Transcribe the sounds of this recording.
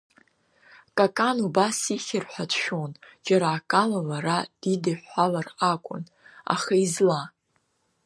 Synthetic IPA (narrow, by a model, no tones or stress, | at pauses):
kʼakʼanubasiχʲɪrħʷatʰʃᶣond͡ʒaɾaːkʼalalaɾad̥idaħalarakʷʼʊ̰n | a̰χaizla